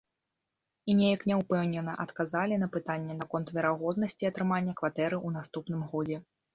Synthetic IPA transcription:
inʲejɐknʲɛwpɛwnʲɛnɐʔɐt̪kazalʲin̪ɐpɨt̪anʲːɛnɐkɔnt̪vʲɛɾaɣɔd̪̚nɐsʲt͡sʲiɐt̪ɾɨmanʲːɐkvat̪ɛɾɨunast̪upn̪ɨmɣɔd͡zʲɛ

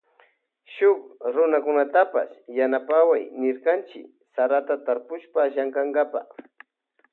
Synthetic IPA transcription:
ʃʊkɾʊnakʊnat̪apa̰sjanapawajnɪɾkant͡ʃɪ̰k | saɾat̪at̪aɾpʊʃpaːʃaŋkaŋɡapa̰χ

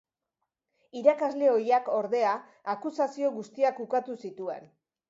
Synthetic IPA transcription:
iɾakazle̞o̞jako̞ɾðe̞aː | kusasio̞ɣust̪iakukat̪usit̪ue̞̰n

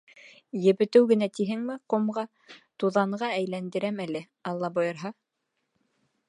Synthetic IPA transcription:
jɘ̆βɘ̆t̪ɘwɡɘ̆næt̪iɦɘŋmɘqŏmʁɑ | t̪uðɑɴɢɑæjlænd̪ɘ̆ɾæmælɘ | ɑlˠːɑbojɤ̆ɾɦɑ

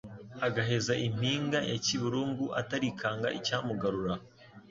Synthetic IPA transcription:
aɡaɦe̞zaʔim̥iːŋɡajaciβuɾuːŋɡuʔa̰taɾikʰaːŋɡaʔicaːmuɡaɾuɾa

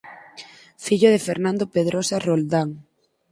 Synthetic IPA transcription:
fiʎoð̞efeɾnãnd̪opeðɾʔosarold̪aŋ

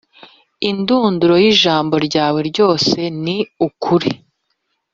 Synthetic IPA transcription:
induːnduɾo̞jiʒaːmbo̞ɾɟaːwe̞ɾɟo̞ːse̞niukʰuɾi

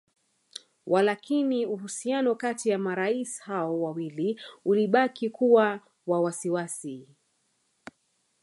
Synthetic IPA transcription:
wʔalakiniuhusianɔkatijamaɾaisi̥haɔwawiliuliɓakikuwa | wawasiwasi

